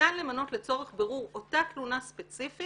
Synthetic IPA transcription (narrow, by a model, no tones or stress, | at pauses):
anle̞mano̞tlet͡so̞ʁeχbeʁuʁo̞taklunaspet͡sifi